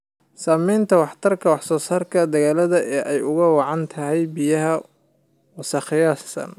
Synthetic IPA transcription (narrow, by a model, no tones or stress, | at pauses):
saːmɛjnt̪ʰɐwɑħt̪ʰɐrkʰɐwɑħsɔːsaːrkʰɐd̪ɐɣaːlɐðɐʔɛːʔɛjʊɣɐwɑʕɑnt̪ʰɐɦɛjbijɐɦɐ | wɑsɐχɪjaːssɐ̰n